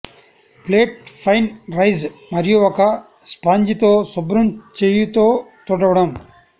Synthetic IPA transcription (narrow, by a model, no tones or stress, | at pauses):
pleːʈ̚pʰɐjnɾɐjzmɐɾijuɔkɐ | spaːɲd͡ʒit̪oːsubɾumt͡ʃejut̪oːt̪uɽɐʋɐɽɐm